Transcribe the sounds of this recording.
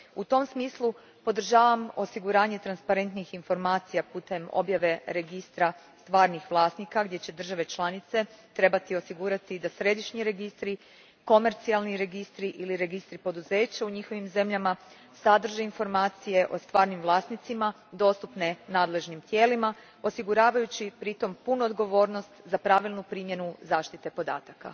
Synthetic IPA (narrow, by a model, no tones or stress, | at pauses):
ut̪o̞msmiːslˠu | po̞d̪r̩ʒaːʋamo̞siɡuɾaːɲe̞t̪ɾanspaɾe̞nt̪nixinfo̞ɾmaːt̪sijapuːt̪e̞mo̞̰bjaʋe̞ɾe̞ɡist̪ɾast̪ʋaːɾnixʋlˠaːsnikaɡd̪je̞t͡ɕe̞d̪r̩ʒaʋe̞t͡ʃlˠanit̪se̞t̪ɾe̞bat̪io̞siɡuːɾat̪id̪asɾe̞d̪iʃɲiɾe̞ɡist̪ɾi | ko̞me̞ɾt̪sialˠniɾe̞ɡist̪ɾiʔiliɾe̞ɡist̪ɾipo̞d̪uze̞ːt͡ɕauɲixo̞ʋimze̞mʎama | sad̪r̩ʒeinfo̞ɾmaːt̪sije̞ʔo̞st̪ʋaːɾnimʋlˠaːsnit̪sima | d̪o̞st̪upnenaːd̪le̞ʒnimt̪je̞ːlima | o̞siɡuɾaːʋajut͡ɕipɾit̪o̞mpunuod̪ɡo̞ʋo̞ːɾno̞st̪zapɾaʋilˠnupɾiːmje̞nuzaːʃt̪it̪e̞po̞d̪a̰ːt̪aka̰